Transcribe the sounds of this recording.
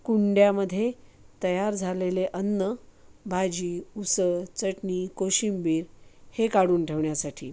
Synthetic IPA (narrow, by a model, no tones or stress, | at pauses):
kuɳɖjaməd̪ʱːjet̪əjaɾd͡zʱaleleʔənːəbʱad͡ʑiːusəɭt͡səʈniːkoɕimbiːɾhekaɽuːnʈʰeʋɳjasaʈʰḭː